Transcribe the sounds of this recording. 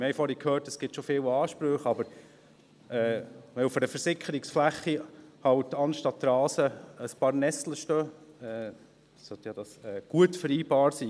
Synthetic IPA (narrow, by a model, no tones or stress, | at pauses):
mɛjfɔɾikʰøːɾtəsɡ̥ɪtʃofɪːwɑːʃpɾøχɑbəɾ | ɛːʋɛufədəfəɾsɪkʰəɾɪksflæχːihɑwtɑnʃtɑt̪ːɾɑːsəəspɑːɾnɛsləʃtøː | ɛː | sœt̪jɑd̥ɑsɛːɡ̥uətfəɾiːbɑːɾsiː